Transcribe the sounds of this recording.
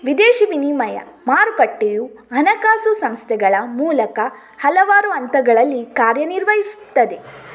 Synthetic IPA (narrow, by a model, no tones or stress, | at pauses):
ʋid̪eːʃiʋinimɐjɐ̰ | maːɾukɐʈːeju | ɦɐnɐkaːsusɐmst̪ʰɛɡɐɭɐmuːlɐkɐ | hɐlɐʋaːɾuɐnt̪ɐɡɐɭɐlːikaːɾjɐniɾʋɐɦisu̥t̪ːɐd̪e̞